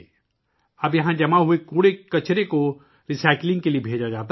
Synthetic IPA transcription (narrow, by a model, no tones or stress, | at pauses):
ɐbjɐɦãd͡ʒɐmaɦuekuːɽekɐt͡ʃɾeko | ɾisaːɪklɪ̃ŋɡkeliebʱeːd͡ʒad͡ʒaːt̪a